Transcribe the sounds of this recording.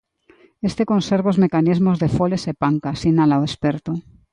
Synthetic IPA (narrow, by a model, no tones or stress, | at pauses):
est̪ekõnseɾβeozmekanizmozðefolesepaŋkasinalaoespeɾt̪o